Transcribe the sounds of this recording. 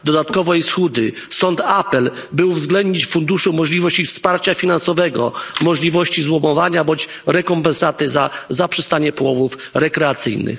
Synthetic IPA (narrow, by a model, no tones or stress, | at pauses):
d̪ɔd̪at̪kɔvɛjsxud̪ɘ | st̪ɔnt̪apɛl | bɘuvzɡlɛnd̪ɲit͡ɕfund̪uʂumɔʐlʲivɔɕt͡ɕifspaɾt͡ɕafʲinansɔvɛɡɔ̰mɔʐlʲivɔɕt͡ɕizwɔmɔvaɲabɔɲd͡ʑ | ɾɛkɔmpɛnsat̪ɛzazapʂɛst̪aɲɛpɔwɔvufɾɛkɾɛat̪sɘ̰jnɘ̰x